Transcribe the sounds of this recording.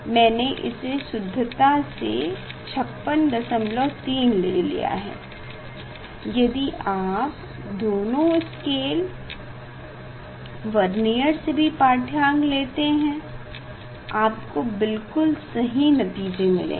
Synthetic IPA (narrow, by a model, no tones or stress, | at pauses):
mɛ̃ːneʔɪ̰sesʊd̪ʱːət̪asḛt͡ʃʰɐpːənd̪ɐsəmlɔːt̪iːnleːlḭja̰ɦɛ̰ː | jɐd̪iʔaːp | d̪oːnõɪskeːl | ʋɐɾnijəɾsebʱipaːʈʰjãːŋɡleːt̪eɦɛ̃ | aːpkobɪlkʊlsɐɦinɐt̪iːd͡ʒemɪ̰lḛ̃ː